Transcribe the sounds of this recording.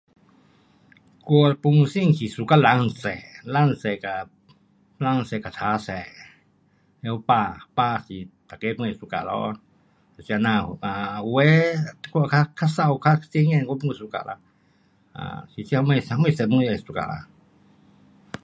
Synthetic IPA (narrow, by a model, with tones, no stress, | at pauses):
ko˧pu˧mu˧si˦ŋsi˧su˧ka˦˧la˧nsɛ˨ʔla˦n˧sɛ˧˨ka˨ | la˧ŋ˧sɛ˧˨ka˨t͡ʃʰa˧˦sɛ˨ʔ | e˧o˧pa˧pa˧si˧t̪a˨ke˧˦pu˧e˧˨st̪u˧ka̰˨lɔ̰˧˨ | si˧a˧nã˧a˨˧we˦t̪kʷa˧ka˦kʰa˦sa˧wkʰa˦t͡si˧ŋɛ̃˧˨ŋka˧˦pu˦ŋu˧su˧ka̰˧˨lʔa̰˧ | a̰˧si˧si˧a˧me˧sa˧mẽ˦˧˨sɛ˧˨pu˧˦˧a˧˨˧st̪u˧ka̰˨la̰˧